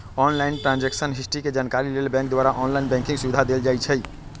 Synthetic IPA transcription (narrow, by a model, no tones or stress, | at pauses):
ɔnlainʈɾãnd͡ʒeksənɦisʈiked͡ʒankaɾilelbɛ̃ŋk̚d̪waɾaʔɔnlainbɛ̃ŋkĩŋsubid̪ʱad̪eld͡ʒajt͡ʃʰəj